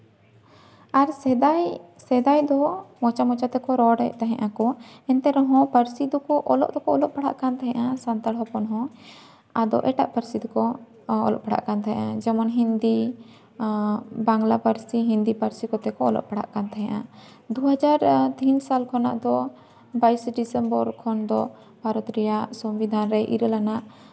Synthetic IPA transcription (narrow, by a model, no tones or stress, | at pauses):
aɾsaj | sɛd̪ajd̪ɔmɔt͡ʃamɔt͡ʃat̪ɛkɔɾɔɽɛ̰ʔt̪aɦɛ̃ʔakɔɛnt̪ɛɾɔɦɔ̃pəɾsid̪ɔkɔʔɔlɔ̰ʔd̪ɔkɔɔlɔʔ̚paɽa̰ʔkant̪aɦɛ̃ʔasant̪aɽɦɔpɔnɦɔ̃ | ad̪ɔ̰ʔɛʈa̰ʔpəɾsid̪ɔkɔ | ɔ̰lɔ̰ʔpaɽa̰ʔkant̪aɦɛ̃ʔad͡ʒɛmɔnɦind̪i | baŋlapəɾsiɦind̪ipaɾsikɔt̪ɛkɔɔlɔ̰ʔpaɽa̰ʔkant̪aɦɛ̃ʔa | d̪uɦad͡ʒaɾt̪insalkʰɔna̰ʔd̪ɔ | baisɖisɛmbɔɾkʰɔnd̪ɔ | bʱaɾɔt̪ɾijasɔmbid̪ʱanɾɛʔḭɾəlanaʔ